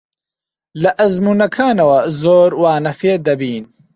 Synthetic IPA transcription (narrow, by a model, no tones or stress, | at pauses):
lɐʔɐzmuːnɐkʰaːnɐwɐzoːɾwaːnɐfeːd̪ɐbiːn